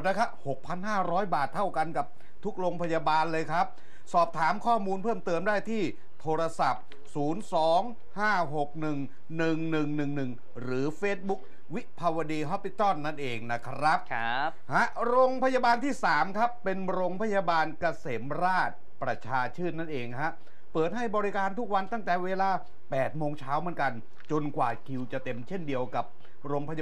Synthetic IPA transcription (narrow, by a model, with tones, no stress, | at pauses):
t̪̚na˦˥kʰɾa˦˥p̚ho˨˩k̚pʰa˧nɦaː˥˩ɾɔː˦˥jbaː˨˩t̪ʰːa˥˩wka˧nka˨˩p̚ | t̪ʰu˦˥k̚ɾoː˧ŋpʰa˧jaː˧baː˧nlɤː˧jkʰɾa˦˥p̚ | sɔː˨˩p̚t̪ʰaː˩˦mkʰɔː˥˩muː˧npʰɤː˥˩mt̪ɤː˧əmdaː˥˩jt̪ʰiː˥˩ | t̪ʰoː˧ɾa˧sa˨˩p̚ | suː˩˦nsɔː˩˦ŋ | haː˥˩ɦo˨˩k̚nɯ˨˩ŋ | nɯ˨˩ŋnɯ˨˩ŋnɯ˨˩ŋnɯ˨˩ŋ | ɾɯː˩˦feː˦˥t̪̚bu˦˥k̚ | wi˦˥ʔpʰa˧wa˧diː˧ɦɔ˦˥pːi˦˥t̪ɔ˥˩nːa˥˩nʔeː˧ŋna˦˥kʰɾa˦˥p̚ | ha˦˥ʔɾoː˧ŋpʰa˧jaː˧baː˧nt̪ʰiː˥˩saː˩˦mkʰa˦˥pːe˧nɾoː˧ŋpʰa˧˥jaː˧baː˧nka˧seː˩˦mɾaː˥˩t̪̚ | pɾa˧t͡ɕʰaː˧t͡ɕʰɯː˥˩t̪̚na˥˩nʔeː˧ŋkʰa˦˥ʔ | pɤː˨˩t̪̚ha˥˩jbɔː˧ɾi˦˥kaː˧nt̪ʰu˦˥k̚wa˧nt̪a˥˩ŋt̪ɛː˨˩weː˧laː˧ | pɛː˨˩t̪̚moː˧ŋt͡ɕʰaː˦˥wmɯ˩˦nka˧n | t͡ɕo˧nkwaː˨˩kʰi˧wt͡ɕa˨˩t̪e˧mt͡ɕʰe˥˩ndi˧əwka˨˩p̚ | ɾoː˧ŋpʰa˧ja